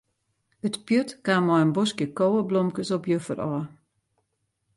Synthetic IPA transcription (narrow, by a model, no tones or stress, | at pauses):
ətpjøtkaːmɔjənbɔskjəkowəblɔmkəsɔpjøfə̰rɔː